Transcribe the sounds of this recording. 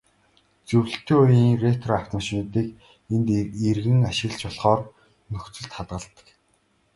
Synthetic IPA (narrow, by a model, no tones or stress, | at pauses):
t͡sɵw̆ɬt̪ʰːeːujiŋret̪ʰraw̥t̪ə̆ʃit̪iːk | ent̪erɣɘ̆ŋaʃɪ̆ə̆ɮt͡ɕɔɮχɔːr | nɵxt͡sɵ̆ɮt̪χat̪ɢə̆ɮt̪ə̥̆k